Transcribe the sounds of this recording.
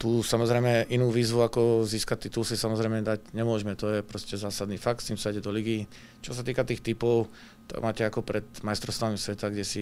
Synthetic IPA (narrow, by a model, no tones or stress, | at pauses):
t̪uːsamɔzɾɛjmɛʔinuːʋiːzʋuakɔziːskac̚t̪it̪ulsisamɔzɾɛɪmɛd̪aɟɲɛmʊɔʒmɛt̪ɔjɛpɾɔscɛzaːsad̪nifakt̪st̪iːmsaijɟɛd̪ɔliɡiː | t͡ʃɔsat̪iːkat̪iːxt̪ipɔʊ | t̪ɔ̰maːcɛakɔpɾɛt̪majst̪ɾɔst̪aːnimsʋɛt̪aɡɟɛsi